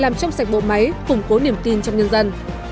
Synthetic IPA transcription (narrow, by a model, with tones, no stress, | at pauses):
laː˨˩mt͡ɕɔ˧wŋ͡msa˨˩jk̚ɓo̰˧˨ma˨˦jkʊ˨˧˩ŋ͡mko˨˦ni˨˩əmt̪i˧nt͡ɕɔ˧wŋ͡mɲə˧nzə˧n